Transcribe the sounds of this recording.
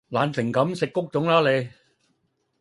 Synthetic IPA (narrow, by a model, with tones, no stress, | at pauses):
laː˨˧nsʰɪ˨˩ŋkɐ˨˥msɪ˨kːʊ˥k̚t͡sʊ˨˥ŋlaː˥le˨˧˥j